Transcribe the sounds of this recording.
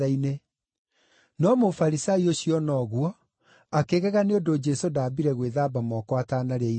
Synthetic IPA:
aine | nɔmofaɾisaioɕiɔnɔɣwɔ | akeɣɛɣaneodod͡ʒɛsodaːbiɾɛɣweðaːbamɔkwataːnaɾeɛi

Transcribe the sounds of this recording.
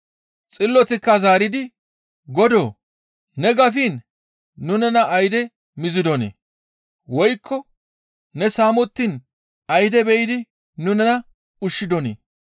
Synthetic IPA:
t͡sʼɪlːɔt̪ɪkːɐzaːɾɪd̪ɪ | ɡɔd̪o̰ː | nɛɡɐfiːnː | ʊnɛnɐʔɐjd̪ɛ | mɪzɪd̪ɔnḛː | wɔjkʰːɔ | nɛsaːmɔt̪ːin | ɐjd̪ɛbɛjɪd̪ɪ | nʊnɛnɐ | ʊʃːɪd̪ɔnḛː

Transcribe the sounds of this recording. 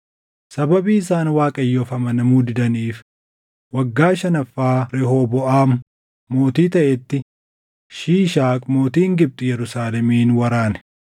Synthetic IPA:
sɐbɐbiːɪsaːnwaːkʼɐjːɔːfɐmɐnɐmuːd̪ɪd̪ɐniːf | wɐɡːaːʃɐnɐfːaːɾɛɦobɔʔaːmʊ | mːo̞ːt̪iːt̪ɐʔɛt̪ːɪ | ʃiːʃaːkʼmo̞ːt̪iːŋɡɪb̚t̪ʼʊjɛɾʊsaːlɛmiːnwɐɾaːnɛ̥

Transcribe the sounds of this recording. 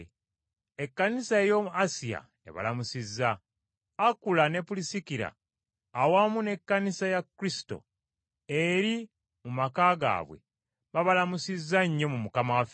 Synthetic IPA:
ekːanisae̞joasija̰ | e̞̰βa̰lamusizːaː | kulane̞pulisikiɾa̰ː | wamune̞kːanisajakːɾisi̥to̞̰ | eɾi | mumakaːɡa̰ːβwe̞̰ | βaβalamusizːaɲːo̞mumukamawafe

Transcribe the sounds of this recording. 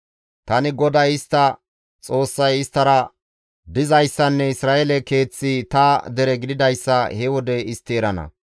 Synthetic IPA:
t̪ɐnɪɡɔd̪ɐjɪst̪ːɐ | t͡sʼo̞ːsːɐjɪst̪ːɐɾɐ | d̪ɪzɐjsːɐnːɛɪsɾaːʔɛlɛke̞ːt͡sːit̪ɐd̪ɛɾɛɡɪd̪ɪd̪ɐjsːɐhɛwɔd̪ɛɪst̪ːeːɾɐnɐ̰

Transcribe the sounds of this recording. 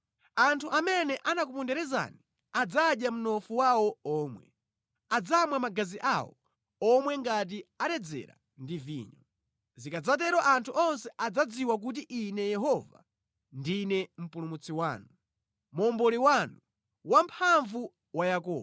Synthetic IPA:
antʰuʔamɛnɛʔanakupundɛɾɛza̰ni | ad͡zaɗjam̩nɔfuwawɔɔːmwɛ̰ | ad͡zamwamaɡaziʔawɔ̰ | ɔmwɛŋɡat̬iaɾɛd͡zɛ̰ɾa̰ | ndivḭːɲɔ | zikad͡zat̬ɛɾɔʔantʰuʔɔnsɛʔad͡zad͡ziwak̬ut̬iʔinɛjɛɦɔva̰ | ndinɛm̩pulumut͡sʰiwaːnu | mɔmbɔliwanu | wampʰaɱvu | wajakɔ̰ː

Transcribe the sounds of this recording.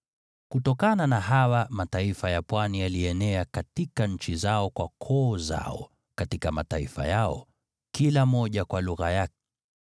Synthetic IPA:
kutɔkananaɦawamataifajapwanijaliɛnɛakatikaɲ̩t͡ʃizaɔkwakʰɔːza̰ɔ̰ | katikama̰taifa̰jaɔ̰ | kilamɔʄakwaluɣajak̚ɛ̥

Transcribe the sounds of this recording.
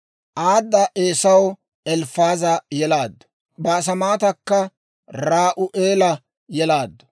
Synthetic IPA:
ʔaːd̪ːɐʔeːsɐw | ɛlfaːzɐjɛlaːd̪ːɔ̥ | bɐːs̬ɐmaːt̪ɐkːɐ | ɾaːʔʊʔeːlɐ | jɛlaːd̪ːɔ̥

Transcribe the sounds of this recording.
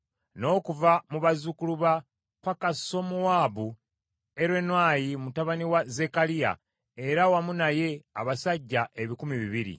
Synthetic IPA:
no̞ːkuvamuβazukuluβa | pakaso̞muwaːβu | eɾwenwaːjimutaβaniwaze̞kalija̰ | e̞ɾawamunaje̞aβasaɟːaʔe̞βikumiβiβiɾḭ

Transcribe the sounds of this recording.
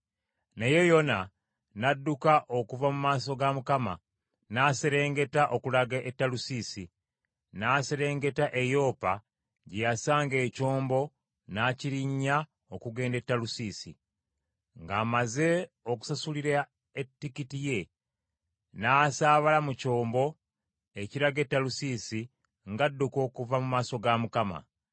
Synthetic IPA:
nejo̞jo̞na | nadːukaʔo̞kuvamumaːso̞ɡamukama̰ | naːseɾe̞ːŋɡe̞taʔo̞kulaɡaʔetːalusisi | naːseɾe̞ːŋɡe̞taʔe̞jo̞ːpa | ɟejasaːŋɡe̞ːco̞ːmbo̞ | naːciɾiɲːa | okuɡe̞ːnde̞tːalusiːsḭ | ŋɡaːmaze̞ | oku̥sasuliɾa | etːikitije̞ | naːsaːβalamuco̞ːmbo̞ | e̞ciɾaɡetːalusiːsi | ŋɡadːuko̞ːkuvamumaːso̞ɡamukama̰

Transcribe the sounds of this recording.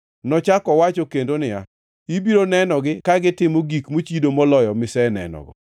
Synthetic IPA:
nɔt͡ʃakɔwat͡ʃɔkendonɪja̰ | ibiɾonɛnɔɡɪkaɡɪtɪmoɡikmot͡ʃidomɔlɔjɔmɪsɛnɛ̰nɔ̰ɡɔ̰

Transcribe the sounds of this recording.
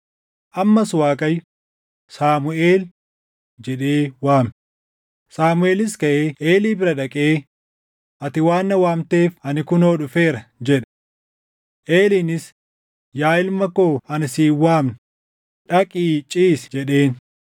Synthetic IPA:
ʔɐmːɐswaːkʼɐj | saːmʊʔeːl | d͡ʒɛᶑeːwaːm | saːmʊʔe̞ːlɪskɐʔeːʔeːliːbɪɾɐᶑɐkʼeː | ʔɐt̪ɪwaːnːɐwaːmt̪eːfɐnɪkʊnoːᶑʊfe̞ːɾɐd͡ʒɛᶑ | ʔeːliːnɪs | jaːɪlmɐkoːɐnɪsiːwaːmnʊ | ᶑɐkʼiːt͡ʃʼiːsd͡ʒɛᶑe̞ːn

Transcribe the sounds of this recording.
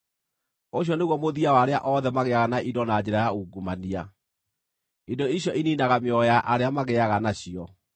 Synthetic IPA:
oɕ̬jɔneɣwɔmoðiawaɾea̰ʔɔðɛmaɣɛaɣanaʔidɔnad͡ʑeɾajauɡumania | idoiɕjɔʔininaɣameɔɔjaʔaɾeamaɣɛaɣanaɕiɔ

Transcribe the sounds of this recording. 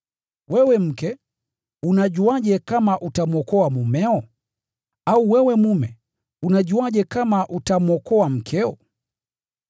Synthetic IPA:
wɛwɛm̩kɛ | unaʄuaʄɛkamaʔutamwɔkɔamumɛɔ | auwɛwɛmumɛ | unaɟuaʄɛkamaʔutamwɔkɔam̩kʰɛɔ̰

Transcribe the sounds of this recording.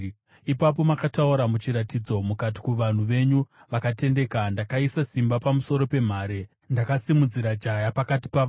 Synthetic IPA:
ipap̬o̞makatauɾamut͡ʃiɾatid͡zo̞mukat̬i̥kuʋan̤uʋe̞ɲu | ʋakate̞nde̞kandakaisasimbapamuso̞ɾo̞pe̞m̤aːɾe̞ | ndakasimud͡ziɾad͡ʒajapakati̥paa

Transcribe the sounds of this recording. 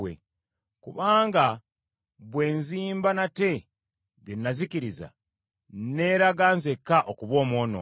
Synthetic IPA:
wḛ | kuβaːŋɡa | βwe̞ːnziːmbanate̞ | βjonːazikiɾiza̰ | ne̞ɾaɡaːnzekːaʔokuβwo̞ːmwo̞ːno̞̰

